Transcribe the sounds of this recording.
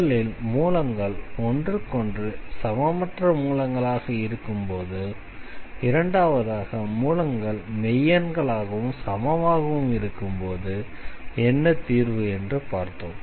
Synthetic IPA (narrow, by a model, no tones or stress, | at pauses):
ɭɪlmuːlɐŋɡɐɭɔndrɯkɔndrɯsɐmamɐʈrɐmuːlɐŋɡɐɭaːɣɐɪɾɯkːɯmpoːðɯ | ɪɾɐɳɖaːʋɐðaːɣɐmuːlɐŋɡɐɭmɛjːɐnɡɐɭaːɣɐʋɯmsɐmɐʋaːɣɐʋɯmɪɾɯkːɯmpoːðɯɛnːɐt̪iːɾʋɯɛndrɯpaːɾt̪oːm